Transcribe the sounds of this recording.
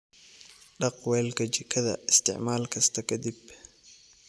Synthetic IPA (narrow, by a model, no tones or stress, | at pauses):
ɖɑqwɛːlkʰɐt͡ʃɪkʰɐðɐ̰ɪst̪ʰɪ̰ʕmaːlkʰɐst̪ʰɐkʰɐd̪ib